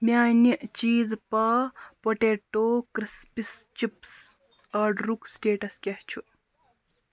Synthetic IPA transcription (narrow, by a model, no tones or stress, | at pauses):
mʲaːnit͡ʃiːzpɐpoʈeːʈoːkɾispist͡ʃips | ɐɖɾuksʈeːʈɐskʲɐht͡ʃʰu